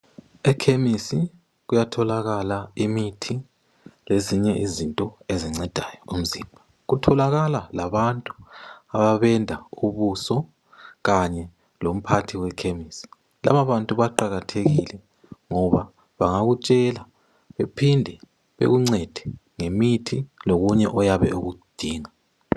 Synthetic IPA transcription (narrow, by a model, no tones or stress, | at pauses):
ɛkʰemisi | ɣujatʰɔlaɣalaimitʰi | leziɲɛʔizintʼɔeziŋ͡ǀɛd̥ʱajɔum̩ziːmbʱa | ɣutʰɔlaɣalalaβantʼuaβaβɛndʱauβusɔ | ɣaɲɛ | lom̩pʰatʰiwɛkʰemisi̥ | la̰βaβantʼuβaǃaɣatʰeɣilɛ | ŋɔβa | βaŋaɣut͡ʃʼɛla | βepʰindʱɛ | βḛɣuŋ͡ǀɛd̥ʱɛ̥ | ŋemitʰiloɣuɲɛʔɔjaβɛ̰uɣud̥ʱiːŋa